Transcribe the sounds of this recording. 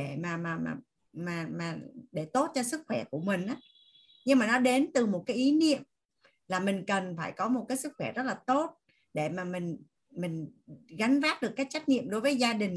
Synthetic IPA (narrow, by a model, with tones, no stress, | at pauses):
ɗe˧˩maː˨˩maː˨˩a̰ː˨˩ | maː˨˩maː˨˩ɗe˧˩t̪o˦˥t̚t͡ɕɔ˧sɨ˦˥k̚xwɛ˧˩ku˧˩əmï˨˩ŋ̟ʔaː˨˦ | ɲɨ˧ŋmaː˨˩nɔ˨˦ɗe˨˦nt̪ɨ˨˩mo˨˩t̚kaː˨˦jʔi˨˦nḭ˧˨əmm | laː˨˩mï˨˩ŋ̟kə˨˩nfaː˧˩jkɔ˨˦mo˨˩t̚kaː˨˦jsɨ˦˥k̚xwɛ˧˩zə˦˥t̚laː˨˩t̪o˦˥t̚ | ɗe˧˩maː˨˩mï˨˩ŋ̟ | mï˨˩ŋ̟ɣa˨˦ŋ̟vaː˦˥t̚ɗɨ˨˩əkːaː˦˥k̚t͡ɕa˦˥k̟̚ɲḭ˧˨əmɗo˨˦jvəː˨˦jzaː˧ɗï˨˩ŋ̟